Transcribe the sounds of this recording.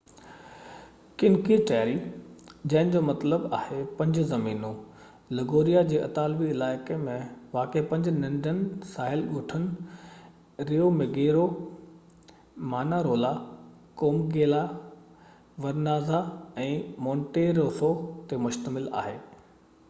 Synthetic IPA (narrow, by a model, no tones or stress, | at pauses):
kɪnkiʈaːɾid͡ʑɐ̃ɦɪ̃nɪ̆d͡ʑoːmɐt̪ləbaːhepɐ̃ɲd͡ʑʊzɐmiːnũ | lɐɡoːɾijad͡ʑeːʔɐ̰t̪aːlʋiɪlaːɪkemẽʋaːkepɐ̃ɲd͡ʑnɐ̃ɳɖənsaːɦɪlɠʊːʈʰənɪ̆ | ɾiomeɡeːɾo | maːnaɾoːla | koːmɡeːla | ʋɐɾnaːzaɛ̃ːmɔ̃ːɳʈeːɾoːsot̪emʊʃt̪əmɪla̰ːɦeː